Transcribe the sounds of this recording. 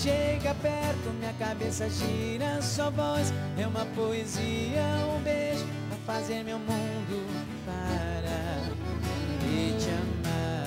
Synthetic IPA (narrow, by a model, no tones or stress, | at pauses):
ʃeɡɐpɛɾt̪ʊmĩɲɐkabesɐʒiɾɐsɔɐvɔjs | ɛũmɐpoeziɐũbeʒʊ | pɐfazeɾmewmũ | d̪ʊ | paɾɐ | mɪt͡ʃɐma